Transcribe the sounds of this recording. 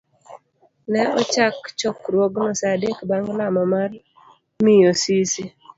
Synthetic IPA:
nɛɔt͡ʃakt͡ʃɔkɾwɔɡnɔsadekbaŋɡlamɔmar | mijosisi

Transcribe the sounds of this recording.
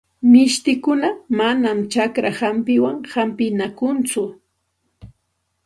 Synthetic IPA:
mɪʃt̪ɪkʊnamanamt͡ʃakɾahampɪwaŋhampɪnakʊnt͡sʊ

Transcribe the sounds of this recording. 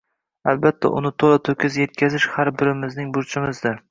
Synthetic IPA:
albat̪ʰːa̰ʔʊ̰nɪt̪ʰolat̪ʰɵkʲʰɪzje̞t̪̚kʲʰazɪʃhaɾbɪɾɪmɪznɪŋbʊɾt͡ʃʰɪmɪzd̪ɪ

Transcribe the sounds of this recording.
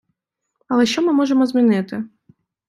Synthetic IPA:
ɐlˠɛʃt͡ʃɔmɪmɔʐɛmɔzʲmʲinɪt̪ɪ

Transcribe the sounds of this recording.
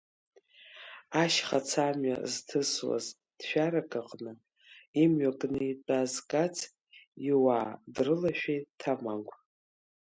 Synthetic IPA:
aʃχat͡sʰamɥa̰ztʰɨswa̰z | d̥ʃᶣaɾakʼaqʼnɨ | imɥakʼnɨitʼazkʼat͡sʰ | iwaːdrɨlaʃᶣejtʰamaŋkʷʼʰ

